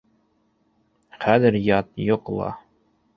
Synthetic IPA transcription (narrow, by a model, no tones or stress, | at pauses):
χæðɘɾjɑt̪jŏqlˠɑ̰